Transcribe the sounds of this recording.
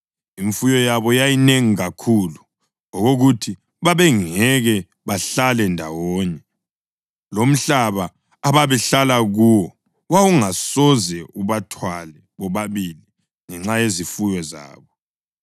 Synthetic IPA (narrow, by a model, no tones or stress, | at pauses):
iɱfujɔjaβɔjajineŋiɣakʰulu | ŋɔɣoɣutʰi | βaβɛŋɛɣɛ | βaɬalɛndʱa̰wɔːɲɛ | lom̩ɬaβaː | βaβɛɬalaɣuwɔ | wawuŋasɔzɛuβatʰwalɛ | βɔβaβili | ŋɛŋ͡ǁajezifujɔza̰ːβɔ